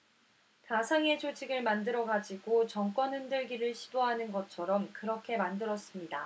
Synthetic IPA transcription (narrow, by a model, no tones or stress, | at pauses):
tasʰaŋe̞t͡ɕot͡ɕʰiɡɯɭmandɯɾʌɡad͡ʑiɡot͡ɕʌŋk͈wʌnɯndɯɭɡiɾɯɭɕʰi̥doɦanɯnɡʌt͡ɕʰʌɾʌmkɯɾʌkʰe̞mandɯɾʌs͈ɯmɲida